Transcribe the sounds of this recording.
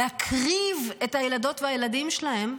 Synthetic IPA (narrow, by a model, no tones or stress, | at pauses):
eakʰʁive̞thajelado̞tveajeladimʃelahe̞m